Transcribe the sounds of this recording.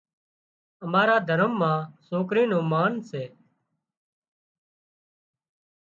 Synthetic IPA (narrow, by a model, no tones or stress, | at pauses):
əmaːɾaːd̪ʱəɾəmːãːsoːkɾiːnõːmaːnseː